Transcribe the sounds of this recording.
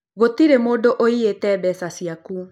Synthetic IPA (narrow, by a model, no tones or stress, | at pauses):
ɣotiɾemoːdoʔoietɛbɛsasiaku